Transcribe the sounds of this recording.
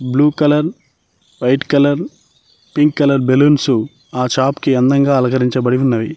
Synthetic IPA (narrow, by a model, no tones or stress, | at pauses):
bluːkɐlɐɾ | ʋɐjʈkɐlɐɾ | piŋkːɐlɐɾbeluːnsu | aːt͡ʃaːpkiɛnd̪ɐŋɡaːɐlɐkɐɾiɲt͡ʃɐbɐɽiunːɐʋi